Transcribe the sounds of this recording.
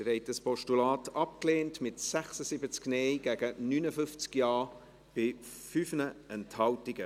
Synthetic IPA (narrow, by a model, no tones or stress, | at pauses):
əɾɛɪtəspɔʃtulɑːtɑp̚kleːntmɪtsɛχsəsibət͡sknejɡ̥ɛɡənyːnəfʏnft͡skjɑː | b̥ɪ | fyfnəɛnthɑltɪɡ̥ə